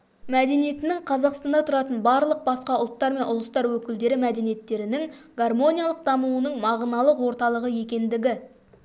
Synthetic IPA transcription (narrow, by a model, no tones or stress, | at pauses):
mæd̪e̞nije̞t̪ɪnɪŋqʰɑzɑqst̪ɑnd̪ɑt̪ʰʊɾɑt̪ənbɑɾlˠəq̚bɑsqɑʊlˠt̪ːɑɾme̞nʊlˠəst̪ɑɾwɵkʲɪld̪e̞ɾɪmæd̪e̞nijet̪ːe̞ɾɪnɪŋɡ̥armo̞nʲijalˠəq̚d̪ɑmuwənəɴmɑʁənɑlˠəqwo̞ɾt̪ɑlˠəʁəje̞kʲe̞nd̪ɪɡʲɪ